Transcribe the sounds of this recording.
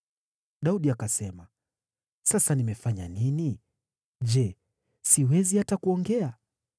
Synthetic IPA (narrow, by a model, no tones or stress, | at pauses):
ɗauɗiakasɛma | sasanimɛfaɲa̰nini | ʄɛ | siwɛzihatakuɔŋɡɛa